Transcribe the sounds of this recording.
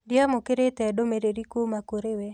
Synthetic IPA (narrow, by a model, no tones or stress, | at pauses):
dɪamokeɾet̪ɛdomeɾeɾikomakoɾewe